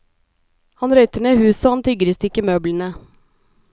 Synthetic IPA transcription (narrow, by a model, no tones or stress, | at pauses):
hɑnɾœʏt̪əɳeːhʉːsoːhɑnt̪ʰʏɡəɾəst̪ɪkəmøːblən̩ə